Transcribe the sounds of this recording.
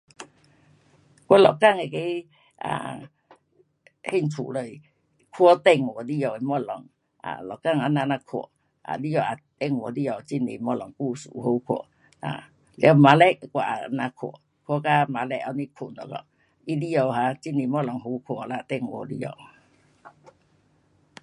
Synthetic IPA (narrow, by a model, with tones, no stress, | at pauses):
kɔ˦lɔ˨ka˧˨ŋe˨ke˦ | a̰˨ | he˦˧˨nt͡sʰṵ˨lə˨j | kʰwɔ˦t̪ɛ˧ŋwɔ˨li˦jɔ˨i˨mɔ˧˦˨lɔ˨ŋ | a̰˨lɔ˨ka˦˧˨ŋa˨na˧na˧kʰɔ̰˨ | a̰˨li˦jɔ˧˨a˨t̪ɛ˦˨ŋ˨ɔ˧˨di˦jɔ˨t͡ɕi˦˨nḛ˨˦mɔ˦lɔ˨ŋku˦˧˨sṵ˨ho˨˧˦kʰɔ̰˨˧˨ | a̰˨ | lma˧˦lɛ˦˨kwa˨ʔa˨na˧kʰɔ̰˨ | kʰwɔ˧˦ka˦ma˨˧lɛ˦a˧˦ni˦kʰo˨nɔ̰˨kɔ̰˧˨ | i˦di˦jɔ˧˨ɦa˧˦t͡ɕi˦ne˨˦mɔ˦˨lɔ˨ŋɦo˧˦kʰɔ˨la˧˨t̪ɛ˦˧ŋwɔ̰˨li˦jɔ̰˨